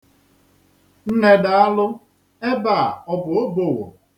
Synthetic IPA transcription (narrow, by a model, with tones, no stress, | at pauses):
n̩˦ne˦da˨a˦lʊ˦ | e˦ba˦˨ɔ˦bʊ˨o˦bo˨wo̰˨